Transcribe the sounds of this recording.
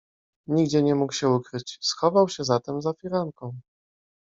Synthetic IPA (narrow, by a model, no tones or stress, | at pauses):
ɲiɡd͡ʑɛɲɛmukɕɛukɾɘt͡ɕsxɔvawɕɛzat̪ɛmzafʲiɾaŋkɔ̃w̃